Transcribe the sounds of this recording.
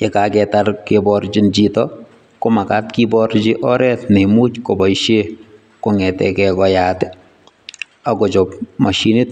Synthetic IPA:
ekakɛtaɾkebɔɾt͡ʃint͡ʃitɔ | komakatkibɔɾt͡ʃɪʔɔɾɛtnemut͡ʃkobɔiʃe | koŋɛtɛ̰kɛkɔjaːtɛ | akɔt͡ʃɔpmaʃinit̚

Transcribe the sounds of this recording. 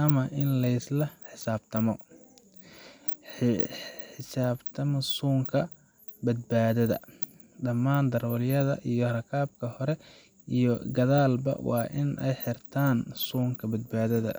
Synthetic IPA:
ʔɐmɐʔɪnlɐɪslɐħɪsaːbt̪ʰɐmɔ | ħɪsaːbt̪ʰɐmɔsuːŋkʰɐ | bɐd̪̚baːðɐðɐ̰ | ɖɐmːaːnd̪ɐɾɔːljɐðɐ̰ʔijɔrɐkʰaːb̚kʰɐhɔɾɛ | ʔijɔɡɐðaːlbɐ̰wɑ̰ːʔɪnʔɛ̰jħɪrt̪ʰaːnsuːŋkʰɐbɐd̪̚baːðɐðɐ̰

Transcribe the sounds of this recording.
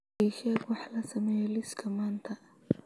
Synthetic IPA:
iʃɛːɡwɑħlɐsɐmɛjɔlɪskʰɐmaːnt̪ʰɐ

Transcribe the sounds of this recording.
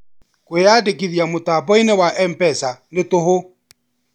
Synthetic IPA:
kojadekiðjamotabɔinɛwaʔɛmpɛsanetoho

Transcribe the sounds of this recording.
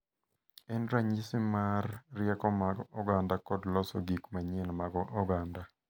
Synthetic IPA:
ɛndɾaɲisɪmarːjɛkɔmaɡɔɡandakɔdlɔsɔ̰ɡikmaɲenmaɡɔʔɔɡanda

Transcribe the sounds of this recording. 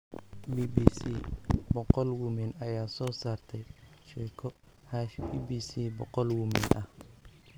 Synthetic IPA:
biːbisibɔqɔlwʊmɪnɐjaːsɔːsaːrt̪ʰɛjʃɛjkʰɔ | haʃiːbiːsiːbɔqɔlwʊmɪ̰nʔɐh

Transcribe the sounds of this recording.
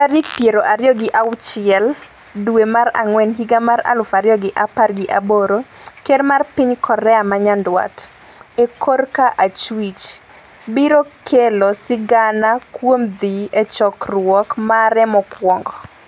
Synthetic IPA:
aɾikpjeɾoʔaɾjɔɡɪʔaʊt͡ʃɪɛl | dwemaɾa̰ŋwɛnɦiɡamaɾa̰lʊfaɾjɔɡɪʔaparɡɪʔaboɾokedmarpɪɲkʰɔɾɛamaɲandwa̰t | ekʰorkaʔat͡ʃwit͡ʃ | biɾokʰelosɪɡanakwomd̪iɛt͡ʃɔkrwɔkmaɾɛmɔkwɔŋɡɔ

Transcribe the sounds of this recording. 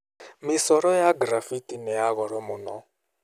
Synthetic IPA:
misɔɾɔjaɡɾafitʼinɛjaɣɔɾɔmunɔ̰

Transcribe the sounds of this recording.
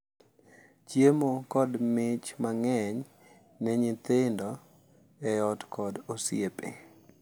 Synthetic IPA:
t͡ʃjemokɔdmɪt͡ʃmaŋɛɲ | nɛɲɪt̪ɪndɔ | ɛɔtkʰɔdosjepḛ

